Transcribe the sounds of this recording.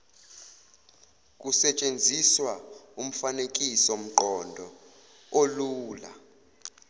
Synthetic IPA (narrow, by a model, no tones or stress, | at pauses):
k̬ʼusɛt͡ʃʼend͡zʱiswaum̩fanek̬ʼisom̩ǃɔndʱɔ | oluːla̰